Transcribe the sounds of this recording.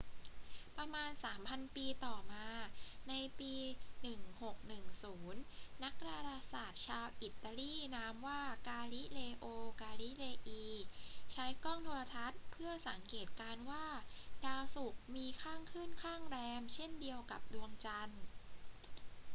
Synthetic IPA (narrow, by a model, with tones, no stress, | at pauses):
pɾa˧maː˧nsaː˩˦mpʰa˧npiː˧t̪ɔː˨˩maː˧na˧jpiː˧nɯ˨˩ŋho˨˩k̚nɯ˨˩ŋsuː˩˦nːa˦˥k̚ɾaː˧ɾaː˧saː˨˩t̪̚t͡ɕʰaː˧wʔi˨˩t̪ːa˧liː˥˩naː˦˥mwaː˥˩kaː˧li˦˥leː˧ʔoː˧kaː˧li˦˥leː˧ʔiː˧t͡ɕʰa˦˥jkɔː˥˩ŋt̪ʰoː˧la˧t̪ʰa˦˥t̪̚pʰɯ˥˩ɐsa˩˦ŋkeː˨˩t̪̚kaː˧nwaː˥˩daː˧wsu˨˩k̚miː˧kʰaː˥˩ŋkʰɯː˥˩nkʰaː˥˩ŋɾɛː˧mt͡ɕʰe˥˩ndi˧əwka˨˩p̚du˧əŋt͡ɕa˧n